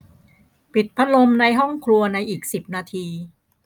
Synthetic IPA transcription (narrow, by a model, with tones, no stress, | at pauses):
pi˨˩t̪̚pʰa˦˥lo˧mna˧jɦɔ˥˩ŋkʰlu˧ɐna˧jʔiː˨˩k̚si˨˩p̚naː˧t̪ʰiː˧